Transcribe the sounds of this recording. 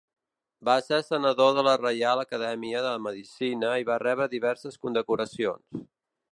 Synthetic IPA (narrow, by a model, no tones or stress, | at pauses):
basesənəðoðələrəjalˠəkəðɛmiəðələməðisinəiβarɛβɾəðiβɛɾsəskund̪əkuɾəsio̰ns